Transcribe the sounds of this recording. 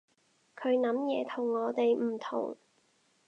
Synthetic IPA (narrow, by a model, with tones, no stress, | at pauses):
kʰɵ˨˧ɥnɐ˨˥mjɛː˨˧t̪ʰʊ˨˩ŋːɔː˨˧t̪e˨jm̩˨˩t̪ʰʊ̰˨˩ŋ